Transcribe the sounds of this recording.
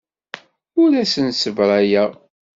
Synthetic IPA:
ʊɾæsənsəvɾˤæjæ

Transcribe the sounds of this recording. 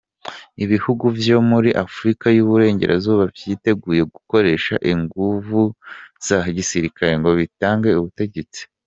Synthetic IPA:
iβihuɡuvjo̞muɾiʔafuɾikajuβuɾe̞ːɲɟe̞̰ɾʔa̰zuːβavjiːte̞ɡuːje̞ɡuko̞ɾe̞ːʃa̰ʔiŋɡuvuz̥aɦɟisiɾikaɾe̞ŋɡo̞βitaːŋɡeuβute̞ɟe̞t͡si̥

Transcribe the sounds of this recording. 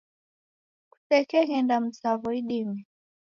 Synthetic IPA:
ku̥tɛkɛɣɛndam̩savɔiɗimi

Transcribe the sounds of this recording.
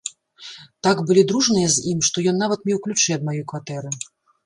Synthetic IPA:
t̪aɡbɨlʲid̪ɾuʐnɨjɛzʲimʂt̪ɔjɔnːavɐt̪̚mʲiwklʲut͡ʂɨjɛd̪̚majɔjkvat̪ɛɾɨ

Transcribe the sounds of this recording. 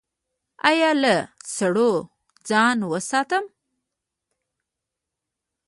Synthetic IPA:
ɑ̰jɑləsaɽo | d͡zɑnwəsɑt̪əm

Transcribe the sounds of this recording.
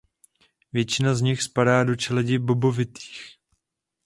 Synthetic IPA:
vjɛt͡ʃɪnazɲɪxspadaːdo̞t͡ʃɛlɛɟɪbo̞bo̞vɪt̪i̥ːx

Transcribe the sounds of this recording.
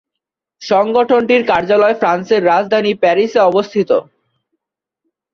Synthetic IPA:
ʃɔŋɡoʈʰonʈiɾkaɾd͡ʑalɔefɾanseɾːad͡ʑd̪ʱanipɛɾiseɔbost̪ʰit̪o̰

